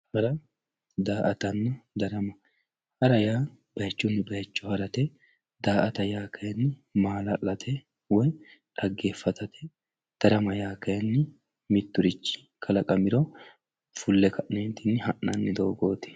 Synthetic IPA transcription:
ɐɾɐ | d̪aːʔɐt̪ɐnːɐd̪ɐɾɐmɐ | hɐɾɐjaː | bɐjt͡ʃːʊnːɪbɐjɐt͡ʃːʊhɐɾɐt̪ɛ | d̪aːʔɐt̪ɐjaːkʰɐjɐnːɪmaːlɐlːɐt̪ʰɛ | wɔjᶑɐɡːeːfːɐt̪ɐt̪ʰɛ | d̪̥ɐɾɐmɐjaːkɐjɐnːɪ | mɪt̪ːʊɾɪt͡ʃːɪ̥ | kʰɐlɐkʼɐmɪɾɔ | fʊlːɛkʰɐʔneːnt̪ɪnːɪhɐʔːɐnːɪd̪oːɡoːt̪ɪ̥

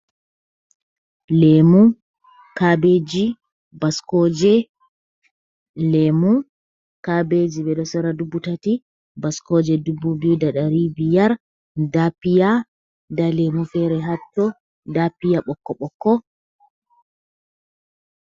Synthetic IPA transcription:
lemu | kabed͡ʒi | baskɔd͡ʒɛ | lemu | kabed͡ʒibɛɗɔsɔɾadubːutati | baskɔd͡ʒɛdubːubidaɗaɾibijaɾ | dapija | dalemufɛɾɛɦatːɔ | dapijaɓɔkːɔɓɔkːɔ

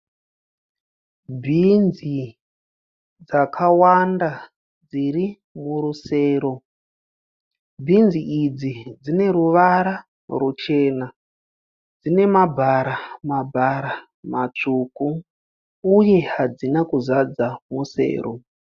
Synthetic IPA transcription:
bʱind͡zi | d͡zakʰawanda | d͡ziɾi | muɾuseːɾo | bʱind͡ziʔid͡zid͡zine̞ɾuʋaɾa | rut͡ʃe̞na | d͡zine̞mabʱaɾamabʱaɾa | mat͡ʂukuː | je̞ɦad͡zinakuzad͡zamuse̞̰ːɾo̰

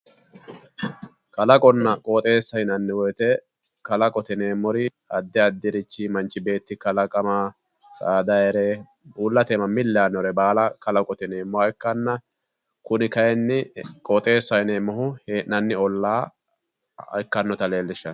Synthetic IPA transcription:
kɐlɐkʼɔnːɐkʼɔːt̪ʼe̞ːsːɐjɪnɐnːɪwɔjt̪ɛ | kɐlɐkʼɔt̪ɪneːmːɔɾɪ | ɐd̪ːɪɐd̪ːɪɾɪt͡ʃːimɐnt͡ʃːɪbe̞ːt̪ːɪkɐlɐkʼɐmɐ | sa̰ːd̪ɐɛɾɛ | uːlːɐt̪eːmɐmɪlːaːnɔɾɛbaːlɐkɐlɐkʼɔt̪ɪneːmːɔɐkːɐnːɐ | kʊnɪkɐjɛnːɪkʼɔt̪ʼe̞ːsːɐjɪneːmɔhʊhenɐnːɪɔlːaː | ɐ̰jkːɐnːɔt̪ɐle̞ːlːɪʃːɐn

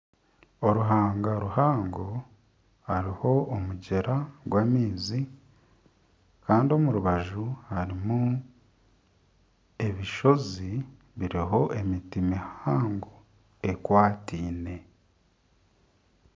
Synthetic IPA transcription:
o̞ɾuɦaːŋɡaɾuhaːŋɡo | haɾiho̞ːmuɟe̞ɾaɡwaːmiːzi | kaːndio̞muɾuβaʒuhaɾimu | e̞βiʃo̞zi | βiɾiɦo̞ʔe̞mitimihaːŋɡo | e̞kwaːtiːne̞

